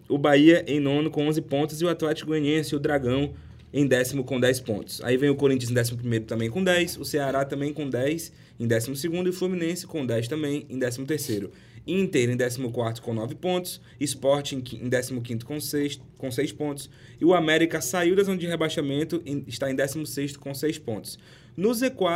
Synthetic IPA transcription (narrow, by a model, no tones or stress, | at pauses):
ʊbaiɐʔẽnõnʊkõõzɪpõnt̪ʊziʊat̪lɛt͡ʃɪ̥kʊẽɲiẽsɪʊd̪ɾaɡɐ̃w̃ | ẽj̃d̪ɛsimʊkõd̪ɛjspõ̰nt̪ʊ̥sa̰ivẽj̃ʊkoɾĩt͡ʃɐ̃z̬ẽd̪ɛs̬imʊp̬ɾimejɾʊt̪ɐ̃mbẽj̃kõd̪ɛjsʊseaɾat̪ɐ̃mbẽj̃kõd̪ɛjs | ẽd̪ɛsimʊsɪɡũnd̪ʊɪflumĩnẽsɪ̥kõd̪ɛjst̪ɐ̃mbẽj̃ẽd̪ɛsimʊt̪eɾsejɾʊ | iĩt̪ejɾʊẽd̪ɛsimʊkwaɾt̪ʊ̥kõnɔvɪpõt̪ʊ̥s | ɪspɔɾt͡ʃɪẽḛ̃d̪ɛsimʊkĩnt̪ʊ̥kõse | kõsejspõnt̪ʊ̥s | ɪʊamɛɾikɐsaiwd̪azõnɐd͡ʒɪɦebaʃamẽnt̪ʊɪʃt̪aẽd̪ɛsimʊseʃt̪ʊ̥kõsejspõt̪ʊ̥s | nʊzekwa